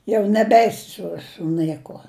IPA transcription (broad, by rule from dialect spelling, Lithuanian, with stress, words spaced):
ˈjɛʊ nʲɛˈbʲɛɪsʲɪ ˈsʊ sʊ ˈnɘkuɔ